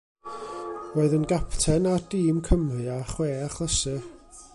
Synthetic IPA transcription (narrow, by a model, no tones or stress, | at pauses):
roːɨðənɡapʰtʰɛnadiːmkʰəmrɨaχweːaχlˠəsɨ